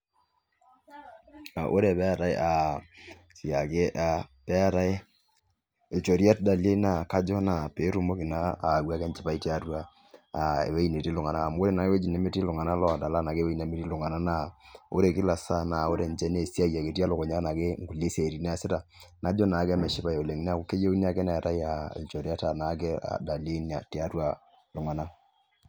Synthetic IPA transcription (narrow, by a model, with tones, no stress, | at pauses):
na˨ʔo˦ɾe˦˨pɛ˦a˨ɾa˨e˦ʔa˨ | si˨a˨ke˦ʔa˨pɛ˦a˨ɾa˦e˦ | e˨t͡ʃo˨ɾja˦tda˨le˦na˨ka˦d͡ʒɔ˦na˨peː˨˦ɾu˦mo˦kɪ˨naː˦˨wa˦kɛ˦nt͡ʃɪ˦pa˦i˦ti˦a˦twa˦ | a˨ḛ˨we˦i˦ne˨ti˦lʊ˨ŋa˨naː˦˨m˦o˦ɾe˦na˨e˦we˦d͡ʒi˨ne˦me˦ti˦lʊ˨ŋa˨na˦lɔ˦˨da˨la˦na˨ke˦we˦i˦ne˨me˦ti˦lʊ˨ŋa˨na˦na˦˨o̰˦ɾe˨kɪ˦la˨sa˦na˨o˦ɾe˨nt͡ʃɛ˦ne˦˨si˦a˦ja˨ke˨ti˦a˦lʊ˨kɔ˨ɲa˦na˨ke˦ŋ˦ɡu˨le˦se˨ɾi˨ne˦a˨sɪ˦ta˨ | na˦d͡ʒɔ˦na˨˦ka˦mɛ˨ʃɪ˦pa˨jo˨le˨ŋi˦n˦a˦ko˦ke˦je˦u˦ni˦a˦kɛ˦nɛ˨ta˦ja˨ḛ˨t͡ʃo˨ɾi˦a˦ta˨na˨˦k̬ɛ˦a̰˨da˨le˦na̰˨ti˨a˦twa˨ | lʊ˨ŋa˨na˦